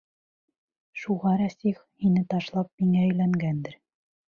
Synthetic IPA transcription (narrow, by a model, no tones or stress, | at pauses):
ʃuʁɑɾæsiχhinɘt̪ɑʃlˠɑp̚miŋæɘ̆jlæŋɡænd̪ɘɾ